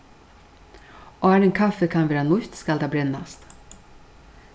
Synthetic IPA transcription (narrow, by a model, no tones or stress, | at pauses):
ʔoːæːɾeːnkʰɑfəkʰɑnʋæːɾanlʊçt̪skɑld̪ɑːbɾɛnɑst̪